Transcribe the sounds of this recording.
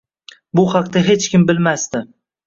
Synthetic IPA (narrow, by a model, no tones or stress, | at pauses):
bʊhɑqt̪aɦe̞t͡ʃkʲɪmbɪlmast̪ɪ